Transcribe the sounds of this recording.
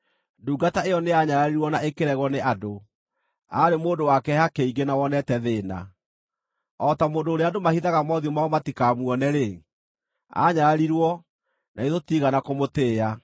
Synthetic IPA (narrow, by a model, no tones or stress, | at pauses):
nduːɡataejɔneaɲaɾaɾiɾwɔnaʔekeɾɛɣwɔneʔado | aːɾemoːndowakɛhakeiɡenawɔnɛtɛðena̰ | ɔtamoːndoːɾeadomahiðaɣamɔðiomaomatikamuɔnɛɾe | a̰ɲaɾaɾiɾwɔ | nʔaeðotiɣanakomoteːa